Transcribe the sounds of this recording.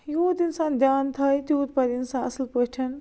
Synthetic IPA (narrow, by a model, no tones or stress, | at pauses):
joːd̪insãːd̪jaːnt̪ʰɐjt̪jout̪̚pɐd̪insãːɐslpəʈʰɐn